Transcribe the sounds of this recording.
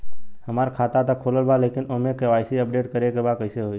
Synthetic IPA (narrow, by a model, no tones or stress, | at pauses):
həmaːɾkʰaːt̪at̪akʰoːləlbʱaleːkɪnomẽkeʋaːɪsiəpɖeːʈkəɾekebakəɪseɦoːi